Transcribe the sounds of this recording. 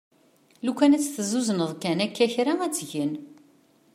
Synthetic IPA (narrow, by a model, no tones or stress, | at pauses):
lukːænæt͡sːθzuzənəðˤkænækːæçɾaæt͡sːʝən